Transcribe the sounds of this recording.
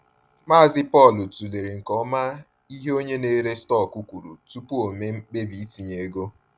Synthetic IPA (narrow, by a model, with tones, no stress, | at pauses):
ma˦a˨zɪ˦pɔ˦˨lʊ˨tu˨le˨ɾe˨ŋ̩˨kɔ˦ma˦ | i˦ɦe˦o˦ɲe˦ne˦ɾe˦stɔ˦˨ku˦kʷu˨ɾu˨tu˦pu˦o˨me˦ŋ͡m̩˦k͡pe˦bi˨i˦ti˨ɲe˨e˦ɡo˦